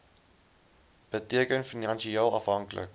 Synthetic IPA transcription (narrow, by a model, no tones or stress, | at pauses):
b̥ətiəkənfinɑnʃiɑːlˠɐfɦɐŋklə̰k